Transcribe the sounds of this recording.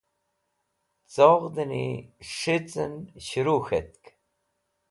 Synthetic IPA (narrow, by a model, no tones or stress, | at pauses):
t͡soʁd̪ənḭʂit͡sənɕɾuːxet̪k